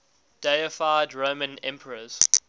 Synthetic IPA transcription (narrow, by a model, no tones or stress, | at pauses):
d̥eəfaɪdɹoʊmə̃nɛ̰̃mpʰəɹəz̥